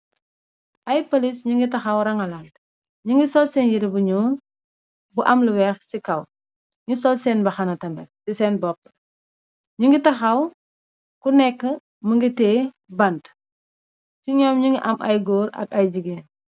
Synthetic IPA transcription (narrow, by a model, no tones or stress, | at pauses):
ʔɐjpɐlisɲuŋɡitɐxɐwɾɐŋɐlal | ɲiŋɡisɔlsɛːnjiɾibuɲɔːn | buʔɐmluwɛxsikɐw | ɲisɔlsɛːnbɐxɐnɐtɐmbɛ̰sisɛːnbɔp̚ː | ɲuŋɡitɐxɐw | kunɛkːə | məŋɡitɛː | bɐnt | siɲɔmɲiŋɡiʔɐmʔɐ̰jɡɔːɾɐ̰kɐjd͡ʒiɡeːn